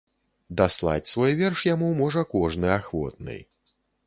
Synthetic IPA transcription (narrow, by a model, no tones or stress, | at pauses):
d̪aslˠa̰t͡sʲsvɔjvʲɛrʂjamumɔʐɐkɔʐnɨaxvɔ̰t̪̚nɨ̰j